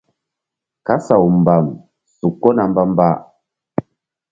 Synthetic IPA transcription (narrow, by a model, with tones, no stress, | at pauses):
ka˦sa˨u˨m˨ba˨m | su˨kːɔ˦na˨m˦ba˦m˦ba˦